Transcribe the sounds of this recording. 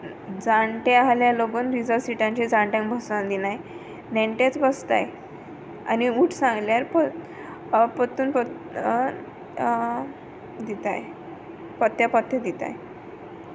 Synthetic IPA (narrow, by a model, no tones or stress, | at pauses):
d͡zaɳʈealjaloɡuːnɾid͡zəɾsiʈãɲt͡ɕid͡zãɳʈjãŋkbʱəsãd̪inaj | neɳʈet͡sbəst̪a̰j | a̰niuːʈʰsãŋɡljaɾpə | pət̪uːnpə | d̪it̪a̰j | pət̪japət̪jəd̪it̪a̰j